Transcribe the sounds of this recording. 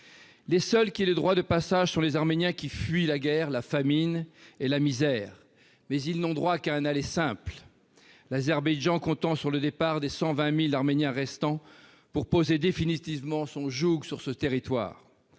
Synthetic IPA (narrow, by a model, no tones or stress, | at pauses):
lesœlkʲiɛləd̪ʁwad̪əpasaʒsɔ̃lezaʁmenjɛ̃kʲifɥilaɡɛʁlafaminelamizɛːʁ | mɛzilnɔ̃d̪ʁwakaɛ̃nalesɛ̃pl | lazɛʁbajʒɑ̃kɔ̃t̪ɑ̃syʁləd̪epaʁd̪esɑ̃vɛ̃milaʁmenjɛ̃ʁɛst̪ɑ̃ | puʁpozed̪efinit̪ivmɑ̃sɔ̃ʒuɡsyʁsət̪eʁit̪wa̰ːʁ